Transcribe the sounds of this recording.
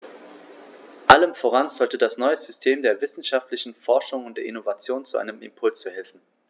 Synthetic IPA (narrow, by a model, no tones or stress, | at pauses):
ʔaləmfoːʁ̞anzɔltədasnɔʏəz̥ʏstʰeːmdeːɐvɪsn̩ʃaftlɪçn̩fɔɐʃʊŋʊnt̚d̥eːɐʔɪnovat͡sjoːnt͡suʔa̰ɪnəmɪ̰mpʰʊlsfuhɛlfn̩